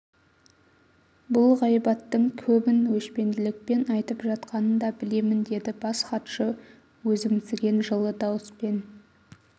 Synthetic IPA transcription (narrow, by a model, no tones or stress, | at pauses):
bʊlˠʁɑjbɑt̪ːəɴkʲʰɵbɪnwɵʃpe̞nd̪ɪlɪk̚pe̞nɑjt̪əpʒɑt̪qɑnənd̪ɑbɪle̞mɪnd̪e̞d̪ɪbɑsχɑt̪ʃə | wɵzɪmɪzɡʲe̞nʒəlˠəd̪ɑwəspe̞n